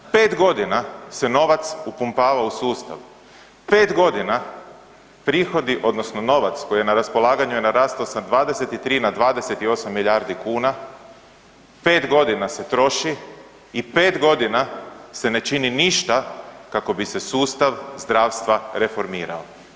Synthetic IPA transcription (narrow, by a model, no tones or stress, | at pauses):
pe̞ːt̪ɡo̞d̪inase̞no̞ʋat̪supumpaːʋausuːst̪a̰ʋ | pe̞ːt̪ɡo̞d̪ina | pɾiːxo̞d̪iʔo̞d̪no̞sno̞no̞ʋat̪sko̞jienaɾaspo̞lˠaːɡaɲuje̞naɾaːst̪osad̪ʋaːd̪ese̞t̪it̪ɾiːnad̪ʋaːd̪e̞se̞t̪io̞samːiʎaːɾd̪ikuːna | pe̞ːt̪ɡo̞d̪inase̞t̪ɾo̞ʃiː | pe̞ːt̪ɡo̞d̪inase̞ne̞t͡ʃininiʃt̪akako̞bise̞suːst̪aʋzd̪ɾaːʋst̪ʋaɾe̞fo̞ɾmiːɾa̰o